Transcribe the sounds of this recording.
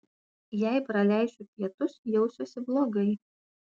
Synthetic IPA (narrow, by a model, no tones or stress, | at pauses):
jæɪpɾɐlʲæˑɪʃʲʊpʲiɛt̪ʊsjɛʊsʲosʲɪblˠoːɡɐɪ